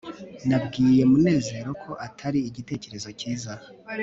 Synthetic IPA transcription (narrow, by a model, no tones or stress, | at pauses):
nabɡiːje̞mune̞ːze̞ɾo̞kʰo̞ʔatʰaɾiiɟite̞ːce̞ɾe̞zo̞ciːza